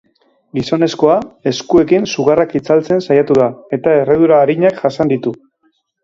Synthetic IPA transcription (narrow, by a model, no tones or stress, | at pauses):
ɡiso̞ne̞sko̞ae̞skue̞kinsuɣ̞arakit͡salt͡se̞nsajat̪uðae̞t̪ae̞reðuɾaːɾiɲakʝasand̪it̪u